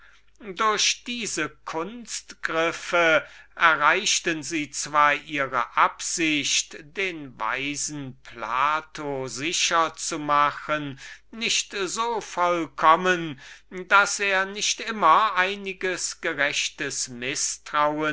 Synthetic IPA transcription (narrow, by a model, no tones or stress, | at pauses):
dʊɐɕd̥iːzəkʰʊnstɡ̥ʁɪfəʔɛɐʁaɪʃtənziːt͡sv̥aːɐʔiːʁəʔapz̥ɪçtd̥eːnva̰ɪzn̩pʰla̰ːtʰozɪʃɐt͡sumaχənːɪʃtzoːfɔlkʰɔməndaseːɐnɪʃtʔɪmɐʔaɪnɪɡəsɡ̥əʁɛʃtəsmɪstʁ̥aʊə